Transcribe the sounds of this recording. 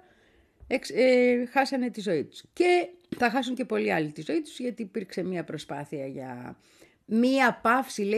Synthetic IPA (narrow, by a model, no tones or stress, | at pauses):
eksexɐsɐne̞t̪izo̞it̪u̥sce̞ | θɐxɐsuɲce̞po̞liɐlit̪izo̞it̪u̥zʝɐt̪iːpiɾkse̞miɐpɾo̞spɐθiɐʝɐ̰ | miɐpɐfsile